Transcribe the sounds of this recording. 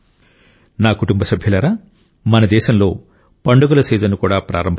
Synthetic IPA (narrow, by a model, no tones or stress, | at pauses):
naːkuʈumbɐsɐbʱjɐlɐɾaː | mɐnɐd̪ɛːʃɐmlo̞ː | pɐɳɖuɡulɐsɛːd͡ʒɐnukuːɽaːpɾa̰ːɾɐmbʱ